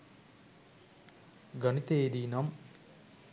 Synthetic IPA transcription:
ɡɐɳit̪eːd̪iːnɐm

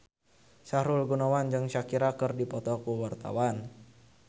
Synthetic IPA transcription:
saɾulɡunawand͡ʒɨŋʃakiɾakərdipɔt̪ɔkuwart̪a̰wan

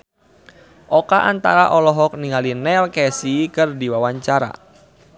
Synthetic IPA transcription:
ʔɔkaʔant̪a̰ɾaʔɔlɔɦɔk̚niŋalinɛlkɛsikɨrdiwawaɲt͡ʃaɾa̰

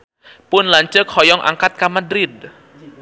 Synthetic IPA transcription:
pʊnlaɲt͡ʃək̚hɔjɔŋʔa̰ŋkat̪̚kamadɾɪd̚

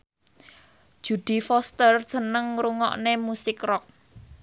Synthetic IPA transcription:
d̥ʒ̥ṳd̪̥i̤fɔst̪ər̥ʒ̥ə̤nəŋɾuŋɔ̰ʔnemusɪkrɔk̚

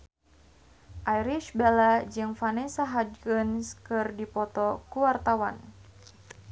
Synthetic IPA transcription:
ʔajɾiʃbelad͡ʒɨŋfanɛsaɦad͡ʒɡənskɨrdipɔt̪ɔkuwart̪awan

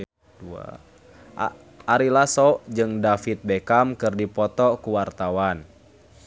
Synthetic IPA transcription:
dua̰ | aɾilasɔʔd͡ʒɨŋdafit̪̚bɛkamkɨrdipɔt̪ɔkuwart̪awan

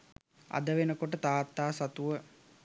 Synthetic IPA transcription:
a̰d̪əʋenəkoʈ̬ət̪aːt̪ːaːsat̪uʋə

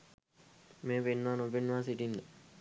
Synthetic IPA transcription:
meːpenːaːnobenːʋaːs̬iʈind̪ə

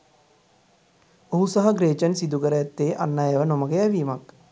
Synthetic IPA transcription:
oɦusaɦɐɡɾeːt͡ʃənsid̪ukəɾəjat̪ːeːʔa̰nːajaʋənoməɡeæʋiːmak

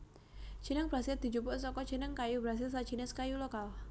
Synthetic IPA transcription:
t͡ʃinəŋbɾasɪld̪̥it͡ʃupʊʔsɔkɔt͡ʃinəŋkajubɾas̬ɪls̬at͡ʃinɛskajulokal

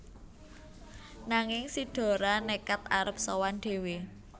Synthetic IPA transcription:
naŋɪŋsiɖ̥o̤ɾanekat̪aɾəp̚sɔwanɖ̪̥e̤we

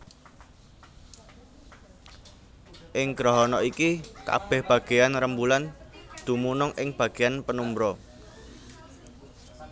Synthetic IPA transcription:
ʔɪŋɡ̥ɾɔɦɔnɔikika̰b̥ɛ̤hb̥ä̤ɡ̥e̤janrəmbuland̪̥ṳmunʊŋʔɪŋb̥ä̤ɡ̥e̤janpənumbɾɔ

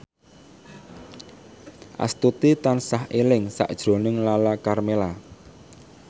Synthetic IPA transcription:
ʔa̰st̪ut̪it̪ansahelɪŋsa̰ʔd̥ʒ̥ɾo̤nɪŋlalakarmela

